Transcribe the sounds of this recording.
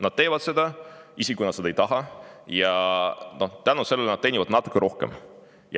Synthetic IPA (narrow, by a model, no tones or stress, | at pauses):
nɑd̪̥t̪e̞ːvɑd̪̥se̞d̪̥ɑ | isikujnɑseɑejt̪ɑɦɑjɑno̞t̪ænuse̞lːelnɑd̪̥̚t̪ːe̞jnʲivɑd̪̥nɑt̪ːˑu̥kːˑeɾo̞hkḛm | jɑ